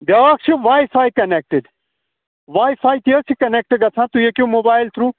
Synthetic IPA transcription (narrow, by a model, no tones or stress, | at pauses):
ɖaːkt͡ʃʰuʋaːifʰaːikɐnek̚ʈɪɖ | ʋaːifaːit̪iəsʰikɐnek̚ʈɪɡɐsʰãːt̪ujekjõːmoːbaːɪlt̪ʰɾuː